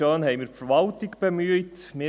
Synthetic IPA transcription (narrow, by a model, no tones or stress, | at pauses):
ɑːnɦɛɪmiːɾfəɾʋɑltɪkb̥emyətmeː